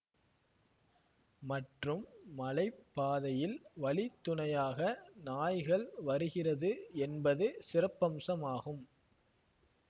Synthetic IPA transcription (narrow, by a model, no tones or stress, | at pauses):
mɐʈrɯmːɐlɐɪpːaːðɐjɪlʋɐɭɪt̪ːʊɳɐjaːɣɐnaːjɣɐɭʋɐɾɯɣɪrɐðɯɛnbɐðɯsɪrɐpːɐmsɐmaːɣɯm